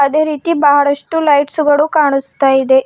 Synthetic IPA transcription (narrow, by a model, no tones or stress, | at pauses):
əd̪ʱeɾit̪iːbaɦaɾəʂʈuːlaiʈsuɡəɽũkaɳ̃ust̪ajd̪e